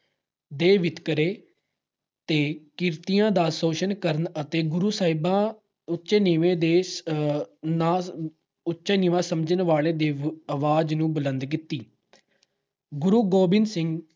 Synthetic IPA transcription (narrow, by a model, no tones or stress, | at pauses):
d̪eːʋɪt̪kəɾeː | t̪eːkɪɾt̪ijãːd̪aːsoːʃənkəɾənət̪eːɡʊɾuːsaːɦɪbãː | ʊtːʃeːnɪʋẽːd̪eː | naː | ʊtːʃeːnɪʋãːsəmd͡ʒənʋaːɭeːd̪eːəʋaːd͡ʒnũːbələ̃nd̪k̬ɪt̪ːiː | ɡʊɾuːɡoːbɪnsɪŋɡ